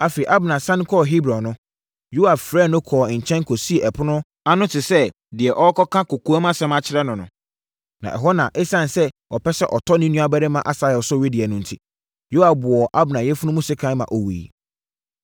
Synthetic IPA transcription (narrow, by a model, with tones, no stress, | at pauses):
a˨fe˨ʔa˦bnã˨sã˦ñ˦kʰɔ˦˨ɦi˦bɾɔ̃˨nʊ̃˦ | ju˦a˨fɾɛ˦˨nʊ̃˦kʰɔː˨ɲ̩˨t͡ɕʰɛ̃˦ŋ˦kʰɔ˨si˦e˨ʔɛ˨pʰʊ˦nʊ̃˦ | a˦nʊ̃˦tʰɪ˨sɛ˦ | dɪ˨ɛ˨ʔɔ˦kʰɔ˦kʰã˦kʊ˨kʰu˦a˦mã˦sɛ̃˦mã˨t͡ɕʰɪ˦ɾɛ˦nʊ̃˨nʊ̰̃˨ | nã̰˨ʔɛ̰˨ɦɔ˦nã˨ʔɛ˦sã˦˨n˨sɛ˦ʔɔ˨pʰɛ˦sɛ˦ʔɔ˨tʰɔ˦nĩ˦nũ˦a˦bɛ˦ɾɪ˦mã˦˨ʔa˦sa˨ɛ˨ɔ˨sɔ˦˨ɥi˦dɪ˨ɛ˨nʊ̃˦n̩˨tʰi˦ | jo˦a˨bʊ˨ɔ˨ʔa˦bʊ˨nã˨jɛ˦fʊ˦nʊ̃˦mũ˦sɪ˦kʰã˦mã̰˨ʔɔ˨wḭ˨